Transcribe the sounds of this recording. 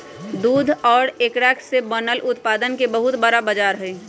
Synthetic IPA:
d̪uːd̪ʱɔːɽeːkɾɛːkʰsebənəlʔʊt̪paːd̪ənkebəɦʊt̪bəɾabəd͡ʒaːɾɦɛ̃ː

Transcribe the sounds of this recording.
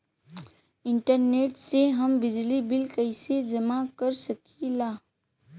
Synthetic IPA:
ɪ̃ɳʈəɾneːʈseɦɐmbɪd͡ʒlibɪlkəɪsed͡ʒɐmakəɾsɐkʰilaː

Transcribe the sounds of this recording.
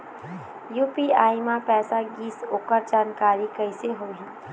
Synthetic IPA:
juːpiaːjmãpɛːsaɡiːsoːkəɾd͡ʒaːnkaːɾikɐɪseɦoːɦĩ

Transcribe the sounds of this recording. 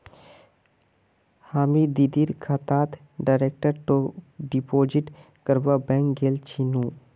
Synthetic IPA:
haːmid̪id̪iːɾkʰaːt̪aːt̪ | ɖaːɾeːk̚ʈəɾʈoɖipoːd͡ʒɪʈ | kəɾbabɛ̃ːŋkɡeːlt͡ʃʰinũː

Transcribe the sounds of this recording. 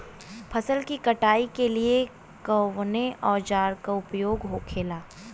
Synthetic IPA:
pʰɐsəlkikɐʈaːikelie | kəwneʔɔːɾd͡ʒaːɾkaʊpjoːɡɦokʰeːlaː

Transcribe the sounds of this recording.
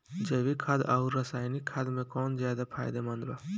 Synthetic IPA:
d͡ʒɐʋikʰad̪auɾːɐsaːjnikʰːad̪mẽkɔːnzjaːd̪apʰaːjd̪emɐnd̪ɾa

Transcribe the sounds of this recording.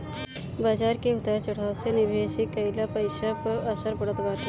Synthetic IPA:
bad͡ʒaːɾkeʊt̪əɾt͡ʃəɽ̤awsenɪbʱesikəɪlapəɪsakəsəɾbəɽət̪baːt

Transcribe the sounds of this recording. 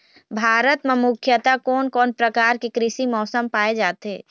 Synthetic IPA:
bʱaːɾət̪memʊkʰjət̪akɔːnkɔːnpɾəkaːɾkekɾɪʃimɔːsəmpaːed͡ʒaːt̪ɦeː

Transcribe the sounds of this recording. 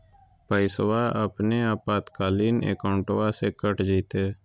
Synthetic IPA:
pəɪsʋaːʔəpneːaːpaːt̪kaːliːnḛːkaːɳʈʋaːseːkəʈd͡ʒiːt̪eː

